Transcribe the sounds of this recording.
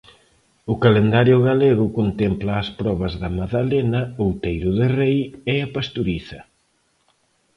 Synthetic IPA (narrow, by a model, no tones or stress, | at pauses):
ʊkalend̪aɾjʊɣaleɣʊkont̪emplaːspɾɔβ̞ɐzðɐmaðalenɐowt̪ejɾʊðɪrejeapast̪uɾiθɐ